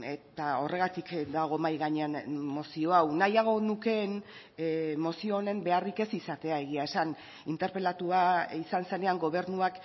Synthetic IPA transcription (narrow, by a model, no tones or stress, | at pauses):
e̞t̪ao̞re̞ɣ̞at̪ikd̪aɣ̞o̞majɣaɲeanmo̞sio̞awnajaɣ̞o̞nuke̞n | mo̞sio̞ːne̞mbe̞arike̞sisat̪e̞ae̞ɣ̞iae̞san | int̪e̞ɾpe̞lat̪uaisanse̞ne̞aŋɡo̞β̞e̞ɾnuak